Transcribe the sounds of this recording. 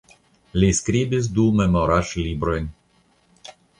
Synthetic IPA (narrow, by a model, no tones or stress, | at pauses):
lʲiskɾibis̬d̪umɛmɔɾaʃlibɾɔnʲ